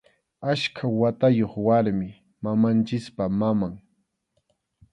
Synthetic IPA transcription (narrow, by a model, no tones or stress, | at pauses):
aʃkʰawat̪ajoχwaɾmɪ | mamant͡ʃɪspamamaŋ